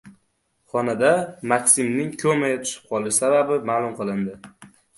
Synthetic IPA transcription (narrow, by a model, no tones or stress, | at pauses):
χɒnad̪amakʲsɪmnɪŋkʰɵmajat̪ʰʊ̥ʃɪ̥p̚qʰɒlˠɪʃsababɪmaːlˠʊmqɨlˠɪnd̪ɪ